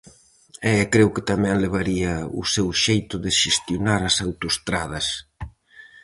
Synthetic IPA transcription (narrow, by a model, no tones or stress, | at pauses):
ɛkɾewkɪt̪amɛ̃ŋleβaɾiɐʊ̰sewʃejt̪ʊðɪʃest̪jonaɾɐsawt̪ost̪ɾaðɐs